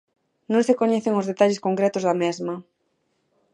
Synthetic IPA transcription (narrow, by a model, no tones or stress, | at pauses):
nõŋsekoɲɛθeŋozðet̪aʎɪskoŋkɾɛt̪ʊzðɐmɛzmɐ